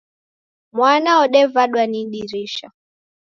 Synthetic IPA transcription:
mwanaɔɗɛvaɗwaninɗiɾiʃa̰

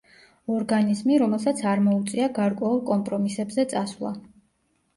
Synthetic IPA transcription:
ɔɾɡanizmiɾɔmɛlˠsat̪sʰaɾmɔut̪sʼiaɡaɾkʼwɛulˠkʼɔmpʼɾɔmisɛbzɛt̪sʼasvlˠa̰

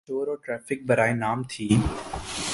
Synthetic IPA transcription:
oːɾoːʈɾɛːfɪk̚bɐɾaːenaːmt̪ʰiː

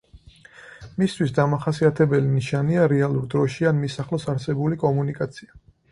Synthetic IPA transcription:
mist̪ʰwisd̪amaχasiat̪ʰɛbɛliniʃaniaɾɛalˠuɾd̪ɾɔʃianmisaχlɔsaɾsɛbulikʼɔmunikʼat̪sʰia

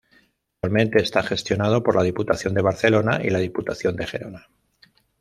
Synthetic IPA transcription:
almẽnt̪e̞ːst̪axe̞st̪jo̞nað̞o̞po̞ɾlaðiput̪aθjo̞nd̪e̞β̞aɾθe̞lo̞naʔḭlað̞iput̪aθjo̞nd̪e̞xe̞ɾo̞na

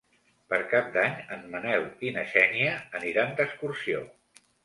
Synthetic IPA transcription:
pəɾkap̚d̪aɲənmənɛlinəʃɛniəːniɾand̪əskuɾsio

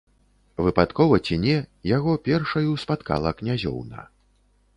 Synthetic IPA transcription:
vɨpat̪kɔvɐt͡sʲinʲɛjaɣɔpʲɛrʂɐjuspat̪ka̰lˠɐknʲazʲɔ̰wnɐ̰

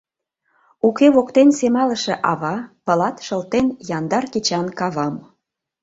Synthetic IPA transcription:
ukeβokt̪ensemɑləʃeʔɑβɑpə̆lɑt̪ʃə̆lt̪enjɑnd̪ɑrkit͡ɕɑnkɑβɑm

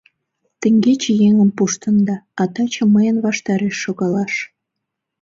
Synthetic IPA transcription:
t̪ə̆ŋɡet͡ɕejeŋəmpuʃt̪ənd̪ɑːt̪ɑt͡ɕəməjənβɑʃt̪ɑɾeʃːoɣɑlɑʃ

